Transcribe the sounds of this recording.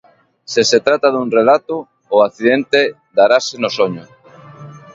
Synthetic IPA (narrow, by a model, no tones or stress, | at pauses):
seset̪ɾat̪aðuŋrelat̪oː | aθiðent̪e | d̪aɾasenosoɲʊ